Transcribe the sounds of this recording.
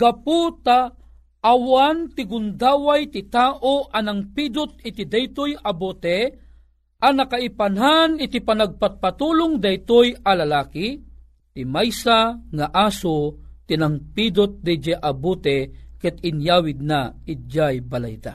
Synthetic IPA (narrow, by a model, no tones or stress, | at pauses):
ɡ̥aput̪a | ʔːwant̪ɪɡʊnd̪aːwajt̪ɪt̪aːʔoʔanaŋpid̪ʊt̪̚ɪt̪id̪ajt̪ojabot̪ɛ | ʔanɐkaipanɦanɪt̪ipanaɡ̚pat̪̚pat̪uːlʊŋd̪ɐjt̪ojalalaːki | t̪ɪmajsaŋaʔaːsot̪inaŋpid̪ot̪̚d̪ɛd͡ʒɛʔabut̪ɛkɛt̪ɪnjaːwɪd̪̚naɪd͡ʒajbala̰jd̪a̰